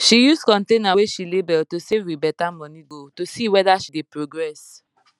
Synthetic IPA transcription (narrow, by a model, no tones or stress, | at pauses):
ʃijuskɔ̃ntẽnaweʃilebɛltosevibɛtamɔ̃niɡotosiwɛdaʃidepɹoɡɹɛs